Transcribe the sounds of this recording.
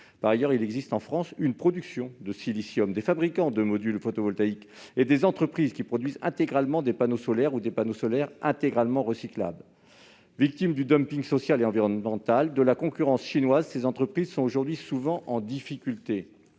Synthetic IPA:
paʁajœʁilɛɡzist̪ɑ̃fχɑ̃synpχɔd̪yksjɔ̃d̪əsilisjɔmd̪efabʁikɑ̃d̪əmɔd̪ylfot̪ovɔlt̪aik | ed̪ezɑ̃t̪χəpχizkʲipχɔd̪ɥizɛ̰̃t̪eɡʁalmɑ̃d̪epanosɔlɛʁud̪epanosɔlɛʁɛ̃t̪eɡʁalmɑ̃ʁəsikla̰bl | vik̚t̪imd̪yd̪ɔmpiŋɡsɔsjaleɑ̃viʁɔnmɑ̃t̪ald̪əlakɔ̃kʲyʁɑ̃sʃinwazsezɑ̃t̪χəpχizsɔ̃t̪oʒuʁd̪ɥisuvɑ̃ʔɑ̃d̪ifikʲylt̪e

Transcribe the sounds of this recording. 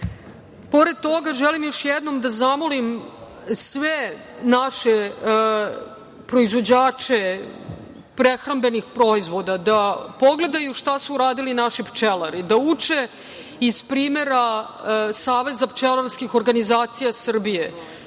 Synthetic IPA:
po̞ɾed̪̚t̪o̞ɡaʒelimjo̞ʃjɛd̪no̞md̪azamolim | sʋe | naʃe | pɾo̞izʋo̞d͡ʑaːt͡ʃe | pɾexɾambe̞nixpɾoizʋo̞d̪ad̪apo̞ɡle̞d̪ajuʃt̪asuːɾaːd̪ilinaʃipt͡ʃelaɾid̪aut͡ʂe | iz̥pɾiːme̞ɾa | saːʋe̞zapt͡ʃelˠaɾskixoɾɡanizaːt̪sijasr̩bije

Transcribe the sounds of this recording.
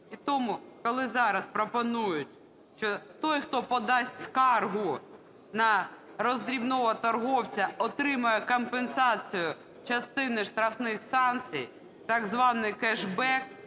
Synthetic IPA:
it̪ɔmʊkɔlˠɪzɑɾɐspɾɔpɔnujʊtʲ | ʃt͡ʃɔt̪ɔjxt̪ɔpɔd̪ɑsʲtʲskɑrɦʊ | nɐɾɔzd̪ɾʲibnɔɦɐt̪ɐrɦɔwt͡sʲɐɔt̪ɾɪmɐjɛkɔmpensɑt͡sʲijʊ | t͡ʃɐst̪ɪnɪʃt̪ɾɐfnɪxsɑnt͡sʲḭj | t̪ɐɡzʋɑnɪjkɛʒbɛk̚

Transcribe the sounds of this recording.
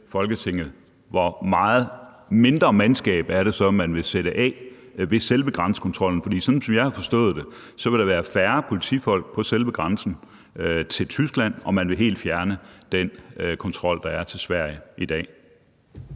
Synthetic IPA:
fɒ̽lɡ̥ət͡sʰe̝ŋ̰ð̩ˠ | ʋɒmɑ̈ːð̩ˠ | me̝nd̥ʁɐmænsɡ̥ɛ̰ːb̥æɐɾ̥e̝sɒ̽mænʋe̝seɾəʔɛ̰ːʋe̝selʋəɡ̥ʁɑ̈nsə̥kʰɒ̽nt͡sʰʁɒ̽l̰n̩fɒdḭːsɒ̽nn̩sɒ̽mjɑ̈ɪhɑ̈fɒ̽sd̥ɔ̰̽ːð̞̩ˠd̥e̝ | sɒ̽ʋe̝ɾ̥ɑ̈ʋæːɐfæːɐpʰo̝lit͡sʰḭːfɒ̽l̰ɡ̥̚pʰɒ̽selʋəɡ̥ʁɑ̈nsn̩ | t͡sʰe̝lt͡sʰysɡ̥læn̰ɒ̽mænʋe̝ɦe̝̰ːld̥fjæɐnəd̥enkʰɒ̽nt͡sʰʁɒ̽l̰d̥ɑ̈æɐt͡sʰe̝lsʋæɐ̰jəid̥ɛ̰ː

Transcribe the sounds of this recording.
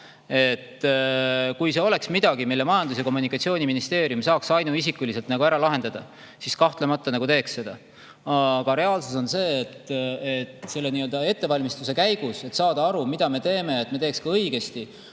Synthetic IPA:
e̞t̪ː | kujse̞o̞le̞ksmid̪̥ɑɡ̥imilːe̞mɑjɑnd̪us̬jɑko̞mːunikːˑɑt̪sio̞ːniminist̪e̞ːɾiumsɑːksɑjnuisikːˑulis̬e̞lt̪nɑɡuæɾɑlɑɦe̞nd̪ɑd̪̥ɑ | siskɑht̪le̞mɑt̪ːˑɑnɑɡut̪e̞ːksːe̞d̪̥ɑ | ɑɡ̥ɑɾe̞ɑlsuso̞nse̞ːt̪et̪se̞lːe̞niø̞ld̪ɑe̞t̪ːe̞vɑlʲmist̪use̞kæjɡ̥use̞t̪sɑːd̪̥ɑɑɾumid̪̥ɑme̞t̪e̞ːme̞ɑet̪ːˑme̞t̪e̞ːkskɑɤjɡe̞st̪i

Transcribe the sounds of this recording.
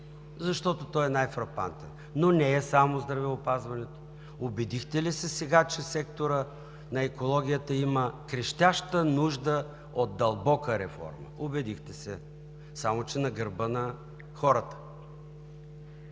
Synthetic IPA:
zɐʃt̪ɔt̪ot̪ɔjɛnajfɾɐpa̰nt̪ɛnːonɛɛsamozd̪ɾɐvɛopazvɐnɛt̪o̥ | obɛd̪ixt̪ɛlisɛsɛɡat͡ʃɛsɛkt̪oɾə | nɐɛkolˠɔɡ̟ʲijət̪əiməkɾɛʃt̪ʲaʃt̪ənuʒd̪ə | ot̪̚d̪ɐlˠbɔkəɾɛfɔ̰ɾmə̰obɛd̪ixt̪ɛsɛ | samot͡ʃɛnɐɡəɾbənɐ | xɔɾət̪ə̥

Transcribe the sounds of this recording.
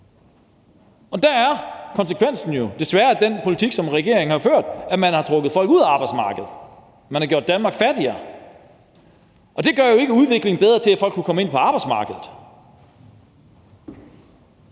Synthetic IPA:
ɒ̽d̥ææɐkʰɒ̽nse̥kʰʋen̰sn̩jod̥e̝sʋæːɐæd̥en̰pʰo̝lit͡sʰiɡ̥sɒ̽mʁɛɡ̥e̝ɐeŋn̩hɑ̈føɐ̰d̥æmænhɑ̈t͡sʰʁɔɡ̥ð̩ˠfɒ̽l̰ɡ̥uð̰ˠæɑ̈ːb̥ɑɪsmɑ̈ːɡ̥əð̩ˠ | mænhɑ̈ɡ̥o̰d̥ænmɑ̈ːɡ̥fæɐd̥iɐː | ʔɒ̽d̥e̝ɡ̥ɶɐ̰jo̝e̝ɡ̥əuðˠʋe̝ɡ̥leŋn̩b̥eð̞ˠʁɐt͡sʰe̝læfɒ̽l̰ɡkːukʰɒ̽məe̝n̰pʰɒɑ̈ːb̥ɑ̈ɪdsmɑ̈ːɡ̥əð̞̩ˠ

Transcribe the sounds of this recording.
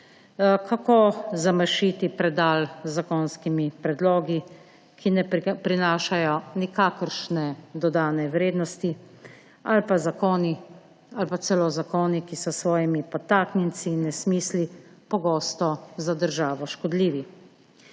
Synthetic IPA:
kʰakozaməʃit̪ipɾɛd̪aːlzakɔnskimipɾɛd̪lɔːɡi | kʰinɛpɾinaːʃajɔnikaːkəɾʃnɛd̪ɔd̪aːnɛʋɾeːd̪nɔst̪i | alpazakoːni | alpatsɛlɔzakoːnikisɔsʋɔːjimipɔt̪aːknjɛnt̪sinːɛsmiːslipɔɡoːst̪ɔzad̪əɾʒaːʋɔʃkɔd̪liːʋi

